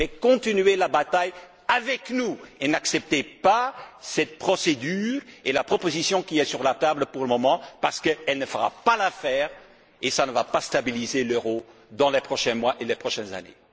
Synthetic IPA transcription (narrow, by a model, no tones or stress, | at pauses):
ɛkɔ̃t̪inɥelabat̪aj | avɛknuenaksɛp̚t̪epasɛt̪̚pχɔsed̪yːʁelapχɔpozisjɔ̃kiɛsyʁlat̪abləpuʁləmɔmɑ̃paʁsə̥kəɛlnəfəʁa̰palafɛːʁ | esanəvapast̪abilizeløʁod̪ɑ̃lɛpχɔʃɛ̃mwaʔelɛpχɔʃɛnza̰nḛ